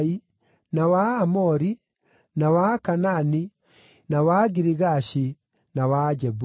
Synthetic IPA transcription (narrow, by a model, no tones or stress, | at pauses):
i | nawaːmɔɾi | nawakanani | nawaɡiɾiɣaɕi | nawad͡ʒɛbu